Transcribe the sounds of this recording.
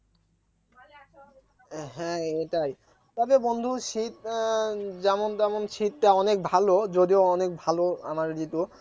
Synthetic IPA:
ɦɛ̃eʈaj | t̪ɔbebond̪ʱuʃit̪̚ | d͡ʑɛmont̪ɛmonʃit̪̚ʈaɔnek̚bʱalod͡ʑod̪ioɔnek̚bʱaloa̰maɾd͡ʑit̪o

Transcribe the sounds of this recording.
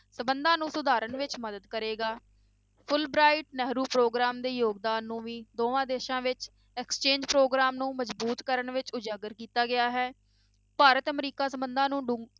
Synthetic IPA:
səmbənd̪ãːnũːsʊd̪aːɾəɳʋɪt͡ʃməd̪əd̪kəɾeːɡaː | pʰʊlbɾaːɪʈnɛɦɾuːpɾoːɡɾaːmd̪eːjoːɡd̪aːnːũːʋiːd̪oːʋãːd̪eːʃãːʋɪt͡ʃ | ɛːkst͡ʃẽːɲd͡ʒpɾoːɡɾaːmnũːməd͡ʒbuːt̪kəɾəɳʋɪt͡ʃʊd͡ʒaːɡəɾkiːt̪aːɡɪjaːɦɛː | paːɾət̪əmɾiːkaːsəmbənd̪ãːnũːɖʊ̃

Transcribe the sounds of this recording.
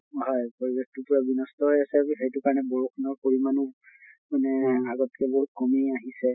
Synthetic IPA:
ɦɔjpoɹibek̚tupuɹabinɔstɔɦojasɛiɦejtukaɹɔnɛboɹukʰɔnɔɹkoɹimanu | manɛaɡɔtkɛboɦut̚kɔmiaɦisɛ

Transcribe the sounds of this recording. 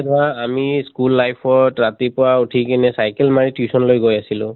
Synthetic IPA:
daamiskulːajpʰɔɹtɹat̪ipʊwautʰikɛnɛsajkɛlmaɹitʰjusɔnlojɡojasilʊ̃

